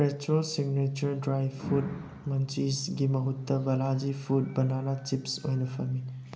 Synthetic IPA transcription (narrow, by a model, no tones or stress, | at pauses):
pɾet͡ʃolsiɡnet͡ʃɐɾdɾajbpʰut̚ | mɐnt͡ʃisɡimɐɦutːɐbɐlad͡ʒipʰut̚bɐnanat͡ʃipso̰jnɐpʰɐmi